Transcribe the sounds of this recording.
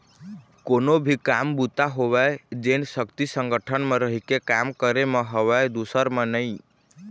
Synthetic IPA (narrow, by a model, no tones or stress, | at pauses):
konobʱikambut̪aɦoʋɛed͡ʒensəkt̪isəŋɡəʈʰənmẽɾəɦikekamkəɾemẽɦəʋɛed̪usəɾmə̃nəĩ